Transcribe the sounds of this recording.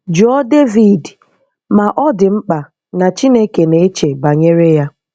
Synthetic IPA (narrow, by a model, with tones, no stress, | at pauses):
d͡ʒɔ˦de˦vi˨d | ma˨ʔɔ˦dɪ˨ŋ͡m̩˦k͡pa˨ | na˨t͡ʃi˦ne˦ke˨ne˨˦e˦t͡ʃe˨ba˨ɲe˦ɾe˦ja˦